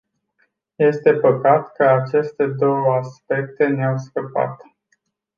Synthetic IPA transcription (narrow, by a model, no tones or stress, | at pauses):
je̞st̪e̞pəkat̪kəat͡ʃe̞st̪e̞d̪o̞wəaspe̞kt̪e̞neawskəpa̰t̪